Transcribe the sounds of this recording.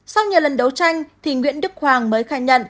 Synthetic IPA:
sa˧wɲɨ˨˩wlə˨˩nɗə˨˦wt͡ɕa˧jŋ̟t̪ʰi˨˩ŋwḭ˧˨ənɗɨ˦˥k̚hwaː˨˩ŋməː˨˦jxaː˧˩ɲə̰˧˨n

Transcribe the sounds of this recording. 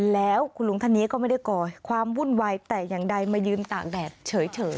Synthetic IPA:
lɛː˦˥wkʰuː˧˩lu˨˩˦ŋt̪ʰa˧˥˩nːiː˦˥kɔː˥˩ma˥˩jda˥˩jkɔː˧˩kʰwaː˧mwu˥˩nwaː˧jt̪ɛː˨˩jaː˨˩ŋda˧jmaː˧˩jɯː˧mt̪aː˨˩k̚dɛː˨˩p̚t͡ɕʰɤː˩˦jt͡ɕʰɤː˩˦j

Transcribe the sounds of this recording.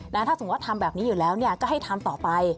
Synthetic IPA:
na˦˥t̪ʰaː˥˩so˩˦wa˥t̪ʰːa˧mbɛː˨˩p̚niː˦˥juː˨˩lɛː˦˥wni˥˩ɐt͡ɕa˨˩ha˥˩jt̪ʰa˧mt̪ɔː˨˩pa˧j

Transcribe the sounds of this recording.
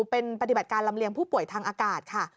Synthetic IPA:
pe˧npa˧t̪i˨˩ba˨˩t̪̚kaː˧nla˧mli˧əŋpʰuː˥˩pu˨˩əjt̪ʰaː˧ŋʔaː˧kaː˨˩t̪̚kʰa˥˩

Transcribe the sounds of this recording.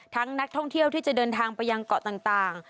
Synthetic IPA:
t̪ʰa˦˥ŋna˦˥k̚t̪ʰɔ˥˩ŋt̪ʰi˥˩əwt̪ʰiː˥˩t͡ɕa˨˩dɤː˧nt̪ʰaː˧ŋpa˧jːa˧ŋkɔ˨˩t̪aː˨˩ŋt̪aː˨˩ŋ

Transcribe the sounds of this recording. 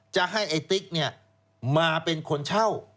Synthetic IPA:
t͡ɕa˨˩ʔɦa˥˩jʔeː˧t̪i˦˥k̚ni˥˩ɐ | maː˧pe˧nkʰo˧nt͡ɕʰa˥˩w

